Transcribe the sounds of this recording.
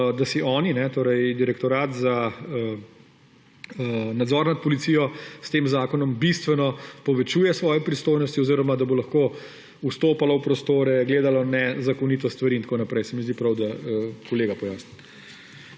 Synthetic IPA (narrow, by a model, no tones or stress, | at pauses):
d̪asiʔɔːninɛt̪oːɾɛjd̪iɾɛkt̪ɔɾaːt̪zaə | nad̪zɔɾnat̪̚pɔlit̪siːjɔst̪eːmzaːkɔnɔmbist̪ʋɛnɔpɔʋɛt͡ʃuːjɛsʋɔːjɛpɾist̪oːjnɔst̪iɔziːɾɔmad̪abolɐxkoː | ust̪oːpalawpɾɔst̪oːɾɛɡleːd̪alɔnɛzakɔnit̪ɔst̪ʋaɾiːnt̪akoːnapɾɛjsɛmizd̪ipɾawd̪aəkɔleːɡapɔjaːsni